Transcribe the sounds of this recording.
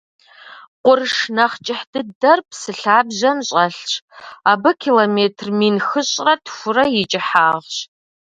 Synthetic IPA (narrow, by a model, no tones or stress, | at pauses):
qʷʊrʂnɐχt͡ʃʼɪħdɨdɐrpsɨɬaːbʑɐmɕʼɐɬt͡ʃʰʼaːbɨkʰilomeːtʰrminxɨɕʼrɐtʰxʷʊrɐjɪt͡ʃʼɪħaːʁɕ